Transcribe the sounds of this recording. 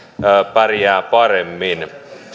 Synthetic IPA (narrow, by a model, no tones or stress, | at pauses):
əːpærjæːpɑremːin